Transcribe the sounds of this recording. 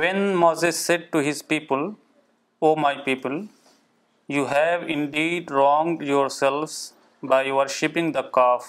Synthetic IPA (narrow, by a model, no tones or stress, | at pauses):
ʋɛ̃nmoːzesːeɖ̚ʈuɦɪzpiːpəl | oːmaɪpiːpəl | juːɦɛʋɪ̃ɳɖiːɖɾɔ̃ːŋɖjɔːɾsɛlʋz | baɪʋəɾʃɪpɪ̃ŋd̪əkɔːf